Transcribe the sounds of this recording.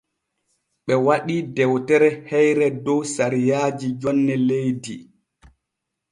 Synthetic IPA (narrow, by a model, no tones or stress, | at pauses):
ɓɛwaɗidɛwtɛɾɛhɛjɾɛdɔwsaɾijaːd͡ʒid͡ʒɔnːɛlejdi